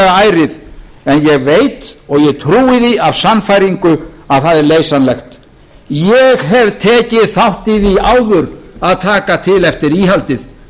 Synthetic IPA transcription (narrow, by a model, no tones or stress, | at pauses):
ɣaaːjɾɪðɛnjɛɣveːjt̪ɔɣjɛɣt̪ʰɾuːɪðiav̥sanfajɾiŋkʏaðθaðɛɾleːjsanlɛxt̪ | jɛɣɦɛvt̪ʰɛːcɪðθawht̪iðiaːwðʏɾaðt̪ʰaːkat̪ʰɪlɛft̪ɪɾiːɦalt̪ɪð